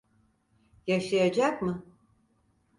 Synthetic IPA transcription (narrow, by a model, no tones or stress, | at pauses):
jaʃajad͡ʒakmɯ